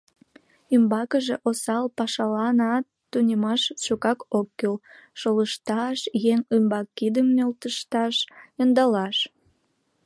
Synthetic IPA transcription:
ymbɑkəʒeʔosɑlpɑʃɑlɑnɑt̪ːunʲemɑʃʃukɑkokːølʃoləʃt̪ɑʃjeŋymbɑkːid̪əmnølt̪əʃt̪ɑʃjənd̪ɑlɑʃ

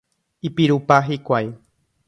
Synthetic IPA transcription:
ipiɾupaɦikʷaj

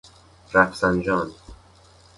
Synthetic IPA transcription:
ɾæfsænd͡ʒɒːn

